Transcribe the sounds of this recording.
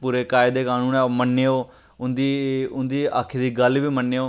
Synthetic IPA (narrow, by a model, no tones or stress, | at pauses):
puːɾeːkaːɪd̪eːkaːnũːnɛːmənːeːoː | ʊnd̪iːʊnd̪iːa̰ːkʰeːd̪iːɡəlʋiːmənːeːoː